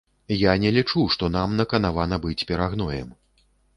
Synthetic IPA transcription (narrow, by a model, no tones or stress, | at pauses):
janʲɛlʲit͡ʂuʂt̪ɔnamnɐkɐnavanɐbɨt͡sʲpʲɛɾaɣnɔjɛ̰m